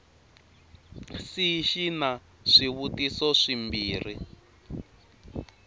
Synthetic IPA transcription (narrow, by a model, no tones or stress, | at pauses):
siʃina | ʂiβutisɔʂimbiːri